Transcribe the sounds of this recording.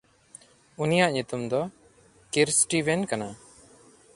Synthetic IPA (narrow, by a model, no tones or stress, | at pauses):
unijaʔɲut̪umd̪ɔ | kiɾsʈibɛnkana